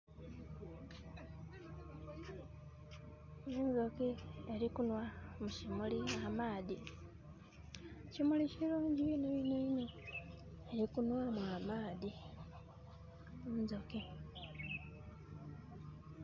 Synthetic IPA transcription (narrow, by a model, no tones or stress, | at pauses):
enzo̞kieɾikunwamuʃimuliamaːði | ʃimuliʃiɾuːɲɟineβineino | e̞ɾikunwamwamaːði | unzoki